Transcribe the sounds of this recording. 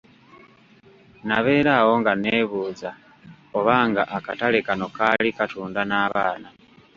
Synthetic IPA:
naβeːɾaːwoŋɡaneβuːd͡za | oβaːŋɡaʔakatalekanokalikatʰuːndanaːβaːna

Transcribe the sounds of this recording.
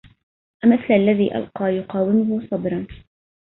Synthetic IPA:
ʔamɪθlalːaðiːʔa̰lqɑːjʊqɑːwɪmʊhʊsˤɑbɾˤɑn

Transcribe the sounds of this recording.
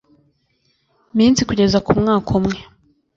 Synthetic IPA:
miːnsikuɟe̞zakumŋaːkʰomŋe

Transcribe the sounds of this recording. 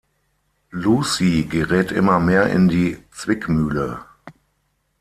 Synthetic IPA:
luːsiɡəʁɛːtʔɪ̰mɐmeːɐʔɪ̰ndiːt͡sv̥ɪkmyːlə

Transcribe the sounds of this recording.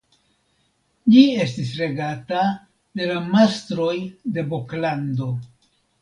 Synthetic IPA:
d͡ʒie̞stisɾe̞ɡata | de̞lamastɾo̞jde̞bo̞klando̞

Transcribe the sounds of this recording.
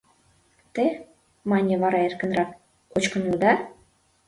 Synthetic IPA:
t̪e | mɑnʲĕvɑɾɑerkə̆nrɑk | kot͡ɕkə̆nud̪ɑ

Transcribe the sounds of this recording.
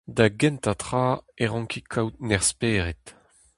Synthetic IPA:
d̪aɡɛ̃nt̪at̪χaːeʁɑ̃ŋkikʰawt̪̚nɛʁspeːʁet̪

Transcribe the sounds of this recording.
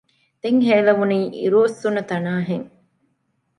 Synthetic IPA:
d̪̥eŋɦeːlɐʋuniːʔḭɾoːsːunːɐt̪ɐnaːɦeŋ

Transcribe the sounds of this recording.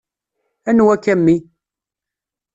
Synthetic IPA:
ænwækːæmːi

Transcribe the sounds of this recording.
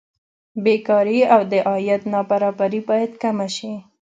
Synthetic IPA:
bekɑɾiawd̪əʔɑjat̪nɑbaɾɑbaɾibɑjad̪kamaʃi

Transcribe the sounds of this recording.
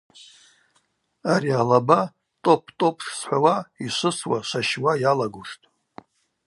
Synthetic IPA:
aɾialaba | tʼo̞pʰtʼo̞pʰʂsħʷawaiʃʷɨswaʃʷaʃwajalaɡʷʊʂtʼ

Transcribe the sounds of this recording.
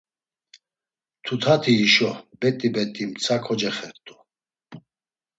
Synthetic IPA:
t̪ʰut̪ʰat̪ʰiːʃɔbɛt̪ʼibɛt̪ʼimt͡sʰakʰɔd͡ʒɛχɛɾt̪ʼu

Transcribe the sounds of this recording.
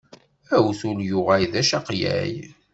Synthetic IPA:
æwθʊljʊʁæjðæʃɑqjæ̰j

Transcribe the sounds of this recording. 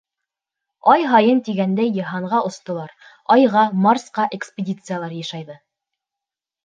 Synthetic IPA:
ɑjɦɑjɤnt̪iɡænd̪æjːɤ̆ɦɑɴʁɑʔŏst̪ŏlˠɑɾ | ɑjʁɑmɑrsqɑʔekspʲedʲit̪sɨjalˠɑɾjɑʃɑjðɤ

